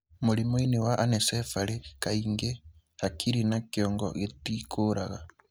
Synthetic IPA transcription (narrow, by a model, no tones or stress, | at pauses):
mulimoinewaʔanesefalekaiːŋɡe | hakʰiɾinakjɔːŋɡɔ̰ɣetikʰoɾaɣa